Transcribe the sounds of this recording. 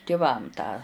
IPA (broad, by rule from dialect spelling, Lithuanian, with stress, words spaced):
tʲɪˈʋɐm tɑː